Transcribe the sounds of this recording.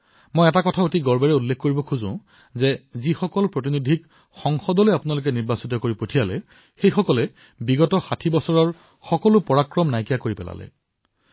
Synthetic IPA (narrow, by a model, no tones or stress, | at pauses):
mojɛtakɔtʰaotiɡɔɹbɛɹɛulːekʰkoɹibɔkʰuzʊ̰̃ | zɛzixɔkɔlpɹot̬inudʱik | xɔŋxɔdɔlojapʊnalʊk̬ɛniɹbasitɔkoɹipotʰijalɛ | xejxɔkɔlɛ | biɡɔtɔxatʰibɔsɔɹɔɹ | xɔkɔlʊpɔɹakɹɔmnajkijakoɹipɛla̰lɛ̰